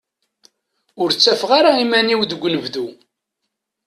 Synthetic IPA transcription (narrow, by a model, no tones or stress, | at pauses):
ʊɾt͡sːæfʁaɾaimæniwðəɡʷːnəvðu